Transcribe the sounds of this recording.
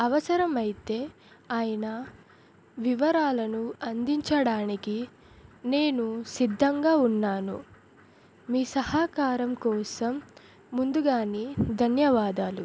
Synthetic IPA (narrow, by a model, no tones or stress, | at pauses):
ɐʋɐsɐɾɐmɐjit̪e̞ː | aːjɐnɐ | ʋiʋɐɾaːlɐnuɐnd̪iɲt͡ʃɐɽaːniki | ne̞ːnusid̪ʱːɐŋɡaːunːaːnṵ | miːsɐhaːkaːɾɐmkɔːsɐmː | und̪uɡaːnid̪ʱɐnjɐʋaːd̪aːlu